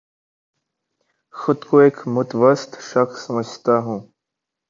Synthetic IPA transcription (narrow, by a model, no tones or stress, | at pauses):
xʊd̪koeːkmʊt̪ʋəst̪ʃəxsːəməd͡ʒʱt̪aɦũː